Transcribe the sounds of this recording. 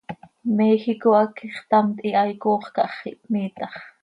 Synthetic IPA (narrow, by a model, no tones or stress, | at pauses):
mɛxikoɑkiχt̪ɑmt̪ʼiʔɑjkoːχkɑʔχiʔpmiːt̪ɑχ